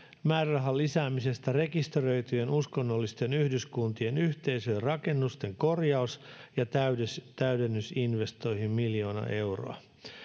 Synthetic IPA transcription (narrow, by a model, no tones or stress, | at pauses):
mæːrrɑɦɑlːisæːmise̞st̪ære̞kist̪erø̞jt̪yje̞nuskonːolːist̪e̞nyhdyskunt̪ie̞nyçt̪e̞jsøːrɑke̞nːust̪e̞ŋko̞rjɑusjɑt̪æyst̪æydenːysinʋe̞st̪o̞jhimmiljo̞ːnɑ̰ʔe̞wro̰ɑ̰